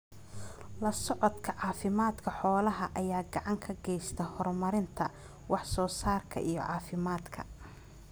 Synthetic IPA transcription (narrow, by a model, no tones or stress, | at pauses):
lɐsɔʕɔd̪kʰɐʕɑːfɪmaːd̪kʰɐħɔːlɐɦɐʔɐjaːɡɑʕɑŋkʰɐɡɛjst̪ʰɐhɔrmɐɾɪnt̪ʰɐ | wɑħsɔːsaːrkʰɐ̰ʔijɔ̰ʕɑːfɪmaːd̪kʰɐ